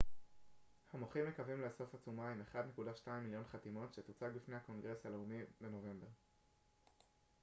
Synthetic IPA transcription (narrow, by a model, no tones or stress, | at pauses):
hamoχimːe̞kavimleso̞fat͡sumaime̞χad̪ne̞kudaʃtaimːiljo̞nχatimo̞tʃet̪ut͡saɡbifnejhako̞nɡʁe̞shaleumibe̞no̞ve̞mbe̞ʁ